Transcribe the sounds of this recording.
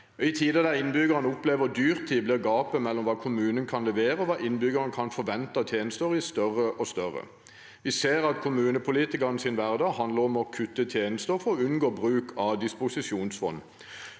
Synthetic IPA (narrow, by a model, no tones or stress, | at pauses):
ɪt̪ʰiːd̪əd̪æʁɪnbʏɡəʁənʊpleːʋəd̪yːʁt̪ʰːiːblɪʁɡɑːpəmɛlːɔmʋɑːkʰʊmʉːnənkʰɑnlɛʋeːɾəɔʋɑːʔɪnbʏɡəʁənəkʰɑnfɔʋɛnt̪ɑt̪ʰjeːnəst̪əʁɪst̪œʁəʔɔst̪œʁə̰ | ʋɪseːʁɑt̪kʰʊmʉːnəpʰʊliːt̪ɪkɑʁnəsɪnʋæʁd̪ɑːɡɦɑnd̪ləʁɔmɔkʰʉt̪ːət̪ʰjeːnəst̪əfɔʉnɡoːbʁʉːkʰɑd̪ɪspʊsɪsuːnsfɔ̰nː